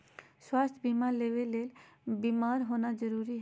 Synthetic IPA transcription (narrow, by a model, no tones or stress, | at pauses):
swast̪ʰbimaɾleʋeleːlbimaːɾɦoːnad͡ʒəɾuːɾiɦ